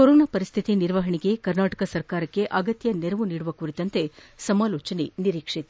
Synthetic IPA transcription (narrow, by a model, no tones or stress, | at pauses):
koɾoːnaːpɐɾist̪ʰit̪iniɾʋɐɦɐɳiɡe̞kɐɾnaːʈɐ̥kɐsɐɾkaːɾɐkːe̞ʔɐɡɐt̪jɐneɾɐʋuniːɽuʋɐkuːɾit̪ɐnt̪e̞sɐmaːloːt͡ʃɐneniɾiːkʂit̪